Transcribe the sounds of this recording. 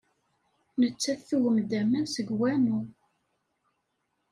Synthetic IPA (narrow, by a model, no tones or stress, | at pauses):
nət͡sːæθːuʝəmd̪æmænsəɡwænu